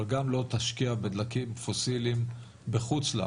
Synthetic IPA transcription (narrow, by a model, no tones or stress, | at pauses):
lɡamlo̞t̪aʃkiabed̪lakimfosilim | beχut͡sla̰